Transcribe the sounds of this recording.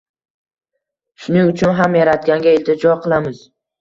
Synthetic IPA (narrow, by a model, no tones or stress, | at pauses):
ʃʊnɪŋʊt͡ʃʰʊnɦamjaɾat̪ɡʲanɡʲaɪlʲt̪ʰɪd͡ʒɒqʰɨlˠamɪz̥